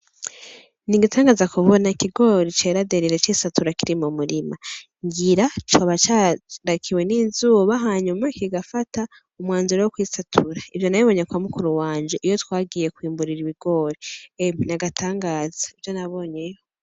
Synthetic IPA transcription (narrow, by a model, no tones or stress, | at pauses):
niɡitaːŋɡaːzakuβo̞nakiɡo̞ɾit͡ʃe̞ːɾadeɾiɾet͡ʃiːsatuɾakiɾimumuɾima | ŋɡiɾatwaβat͡ʃaɾakʰiwe̞ninzuːβaɦaːɲumakiɡafata | umwaːnzuɾewokwiːsatʰuɾaivjo̞najiβo̞ɲekwamukuɾuwaːɲd͡ʒe̞ʔijo̞twaːɡiːje̞kwiːmbuɾiɾiβiɡo̞ːɾieminaɡatʰaːŋɡaːz̥ḁivjo̞naβo̞ːɲe̞jo